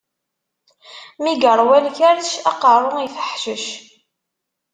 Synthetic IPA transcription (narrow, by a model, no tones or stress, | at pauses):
miɡəɾˤwælçæɾʃɑqɑrˤːʊniθə̥ħʃəʃ